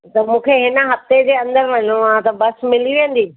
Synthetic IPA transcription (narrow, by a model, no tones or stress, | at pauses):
t̪ɐmũːkʰeɦɪnəɦɐft̪ed͡ʑeːɐ̃nd̪əɾʋɐɲõãt̪ɐbɐsmɪliʋẽːn̆d̪iː